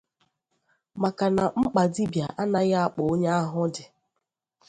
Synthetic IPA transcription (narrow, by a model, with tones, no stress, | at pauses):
ma˨ka˨na˨ŋ͡m̩˦k͡pa˨di˦bja˨ʔa˦na˦ɣa˦a˦k͡pʊ˨˦ɲa˦a˦ɦʊ˦dɪ˨